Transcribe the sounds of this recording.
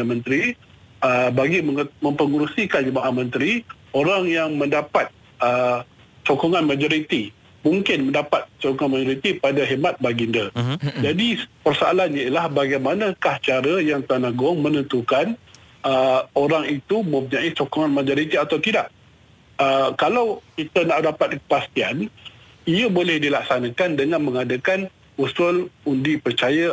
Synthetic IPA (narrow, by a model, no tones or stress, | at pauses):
ɲamə̃nt̪ɾi | əbaɡiməmə̃mpəŋuɾusikand͡ʒəmaʔahmə̃nt̪ɾi | oɾaŋjaŋmə̃ndapat̪̚ | ə | t͡ʃokɔŋanmad͡ʒoɾit̪i | muŋkɪnmə̃ndapat̪̚t͡ʃɔkɔŋanmad͡ʒoɾit̪ipadaɦemat̪̚baɡindəd͡ʒadipərsaa̰lanjailahbaɡajmanãkaht͡ʃaɾəjaŋt̪anaɡɔŋmə̃nənt̪ukan | əoɾaŋit̪umə̃mpəɲãisokɔŋanmad͡ʒoɾit̪iat̪awt̪idaʔ | əkalawkit̪ənaʔdapat̪̚kə̥past̪ian | iəbolɛhdilaksanãkandəŋãnmə̃ŋadakan | usʊlundipərt͡ʃaja